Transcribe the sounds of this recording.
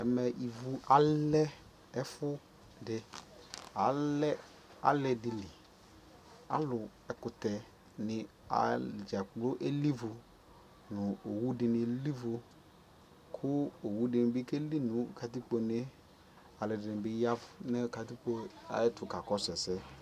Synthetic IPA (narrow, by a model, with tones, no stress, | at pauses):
ɛ˨mɛ˨ʔi˨vu˦ʔa˨lɛ˦ | ɛ˦fʊ˦ | dɪ˨ | a˨˦lɛ˦ | a̰˨˦lɛ˨dɪ˨li˨ | a̰˦lʊ˨ | ɛ˨kʊ˨tɛ˨ | nɪ˨ | a̰˨d͡ʒa˨k͡plʊ˦ʔe˦li˦vʊ˨ | nʊ̃˨o˨wu˦dɪ˨nɪ̃˨li˦vʊ˧ | kʰʊ˦o˨wu˦dɪ˨nɪ˨bɪ˦ke˦li˦nʊ̃˨˦ka˨t̬i˦k͡po˨ne˦ | a˨lɛ˨dɪ˨nɪ̃˨bɪ˦ja˦˨nɛ˦ka˨ti˦k͡po˨a̰˨ɛ˦tʊ˨ka˨kɔ˦sɛ˨sɛ˦